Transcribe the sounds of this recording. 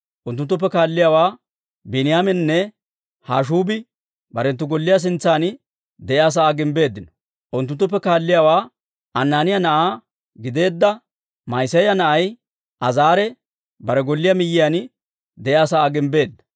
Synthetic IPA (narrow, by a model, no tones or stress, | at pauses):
ʔʊnt̪̬ːʊnt̪ːʊp̬ːɛkaːlːɪjawaː | bɪnɪjaːmɛnnːɛ | haːʃ̬uːbɪ | bɐɾɛnt̪ːʊɡɔlːɪjas̬ɪnt͡sːaːn | d̪ɛʔjːs̬aaːɡɪmbe̞ːd̪ːɪnɔ̥ | ʔʊnt̪̬ʊnt̪ːʊp̬ːɛkaːlːɪjawaː | ɐnːaːnɪjanɐʔaː | ɡɪd̪e̞ːd̪ːɐ | mɐjsɐjɐnɐʔɐj | ʔɐzaːɾɛ | bɐɾɛɡɔlːɪjamɪjːɪjaːn | d̪ɛjaːsaaːɡɪmbe̞ːd̪ːɐ̥